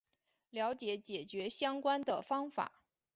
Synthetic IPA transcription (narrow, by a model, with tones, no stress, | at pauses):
ljɑ˧˥ʊt͡ɕjɛ˧˥˦t͡ɕjɛ˨˩t͡ɕɥɛ˧˥ɕjɑ˥ŋkwa˥nd̪ə˨˩fɑ˥ŋfa̰˨˩˦